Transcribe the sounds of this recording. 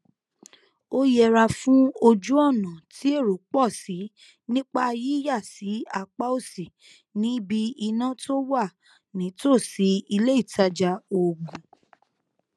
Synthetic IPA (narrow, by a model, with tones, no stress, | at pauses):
o˦jɛ˧˨ɾa˧fũ˦o˧d͡ʒu˦ɔ˦˨nã˨ti˨˦e˦˨ɾo˨˦k͡pɔ˦˨si˨˦ | nĩ˦k͡pa˧ji˦ja˦˨si˨˦a˦˨k͡pa˦o˦˨si˨ | nĩ˨˦bi˧i˧nã˦to˦wa˦˨ | nĩ˨˦to˦˨si˨˦i˧le˦i˦˨ta˧d͡ʒa˧o˧ɡũ˨